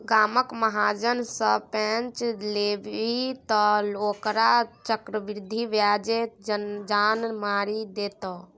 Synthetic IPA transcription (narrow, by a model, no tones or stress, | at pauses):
ɡaːməkməɦad͡ʒənsəpənt͡ʃleʋit̪əlokɾat͡ʃəkɾəʋiɾd̪ʱiʋjad͡ʒed͡ʒanmaɾid̪et̪ɔ